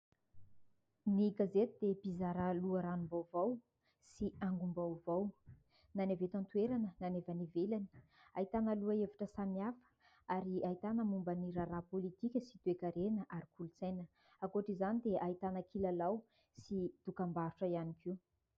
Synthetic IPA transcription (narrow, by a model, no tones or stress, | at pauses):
niɡazet̪ud̪̥ebizaɾaluəɾanumbawvaw | siaŋɡumbawvaw | nanevet̪ant̪uweɾanənanevanivelani̥a̰it̪anəluəevaʈ͡ʂəsamiafə̥ | aɾiait̪anəmumbəniɾaɾapolit̪ikʲəsit̪uekaɾenəʔaɾikʰulut͡sajnə | akoʈ͡ʂizanid̪eʔait̪anəkʰilalaw | sid̪̥ukambaɾuʈ͡ʂəianikʰiu